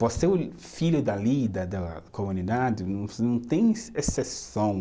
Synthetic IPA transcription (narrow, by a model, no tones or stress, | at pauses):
voseʊ | fiʎʊd̪alid̪ɐd̪ɐkomunid̪ad͡ʒɪnɐ̃w̃nɐ̃w̃t̪ẽj̃esesɐ̃w̃